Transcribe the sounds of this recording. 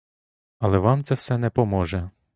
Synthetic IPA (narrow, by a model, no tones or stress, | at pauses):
ɐlˠɛʋɑmt̪sɛwsɛnɛpɔmɔʒɛ